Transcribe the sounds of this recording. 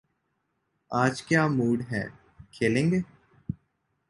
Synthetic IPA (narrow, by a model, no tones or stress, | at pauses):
aːd͡ʒkjaːmuːɖɦɛ̰ː | kʰeːlẽːŋɡeː